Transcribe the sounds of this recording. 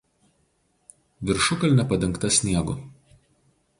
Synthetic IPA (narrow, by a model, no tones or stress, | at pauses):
ʋʲɪɾʃʊkɐlʲˑnʲɛpɐd̪ʲɛŋˑkt̪ɐsʲnʲiɛɡʊ